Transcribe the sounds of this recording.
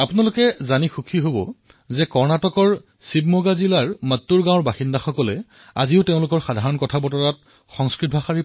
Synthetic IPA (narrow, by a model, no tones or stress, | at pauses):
apʊnalʊkɛzanixukʰiɦobɔ̰ | zɛkɔɹnatɔkɔɹ | sib̚moɡazilaɹmatːuɹɡãw̃ɔɹbaxindaxɔkɔlɛ | a̰ziʊteʊ̃lʊkɔɹxadʱaɹɔnkɔtʰabɔtɔɹat̚ | xɔŋskɹit̚bʱaxaɹi